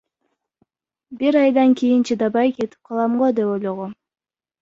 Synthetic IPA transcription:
biɾɑjd̪ɑŋkʲijint͡ʃʰid̪ɑbɑjke̞t̪i̥p̚qʰɑlˠɑmʁod̪epojlˠoʁo

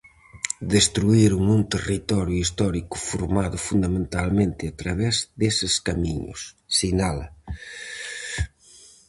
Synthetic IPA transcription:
d̪est̪ɾuiɾuŋũnt̪erit̪ɔɾjʊist̪ɔɾikʊ̥fuɾmaðʊfund̪amẽnt̪almẽnt̪ɪat̪ɾaβɛzd̪esɪskamiɲʊ̰sːinalɐ

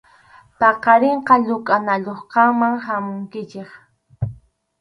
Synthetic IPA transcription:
pɑqɑɾeɴqɑʎʊkʼanaʎoχqɑmaŋhamʊŋkɪt͡ʃeχ

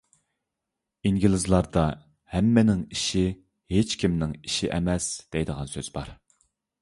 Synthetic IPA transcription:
iŋɡʲilˠɪzlˠɑɾd̪ɑ | hɛmːɪnɪŋiʃi | het͡ʃkʲʰimnɪŋiʃiʔɛmɛsd̪̥ɛjd̪əʁɑnsøz̥bɑ̰ɾ

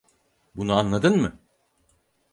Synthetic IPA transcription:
bunuanlˠad̪ɯnmɯ

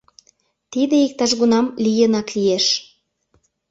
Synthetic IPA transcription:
t̪id̪eik̚t̪ɑʃɣunɑmlijənɑklijeʃ

